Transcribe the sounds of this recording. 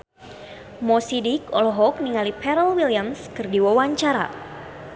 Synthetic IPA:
mɔsidikɔ̰lɔɦɔk̚niŋalipʰɛɾəlwiliamskɨrdiwawaɲt͡ʃaɾa̰

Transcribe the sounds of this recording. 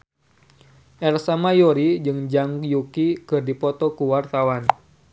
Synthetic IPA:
ʔɛrsamajoɾid͡ʒɨŋd͡ʒaŋkjukikɨrdipɔt̪ɔkuwart̪awan

